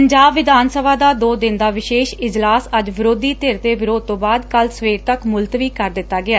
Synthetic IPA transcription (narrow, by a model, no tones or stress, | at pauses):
əɲd͡ʒaːbʋɪd̪aːnsəbaːd̪aːd̪oːd̪ɪnd̪aːʋɪʃeːʃɪd͡ʒlaːsəd͡ʒʋɪɾoːd̪iːt̪eːɾt̪eːʋɪɾoːd̪̚t̪õːbaːd̪kəlsəʋeːɾt̪əkmʊlt̪ʋiːkəɾd̪ɪt̪ːaːɡɪaː